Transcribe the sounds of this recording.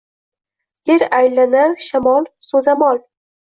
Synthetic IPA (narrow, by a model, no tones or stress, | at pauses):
jeɾajlanaɾʃamɒlˠsɵzamɒlˠ